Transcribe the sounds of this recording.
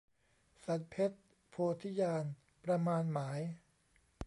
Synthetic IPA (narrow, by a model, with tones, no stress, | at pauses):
sa˨˩˦t̪̚pʰe˦˥t̪̚ | pʰoː˧t̪ʰi˦˥jaː˧n | pɾa˧maː˧nmaː˩˦j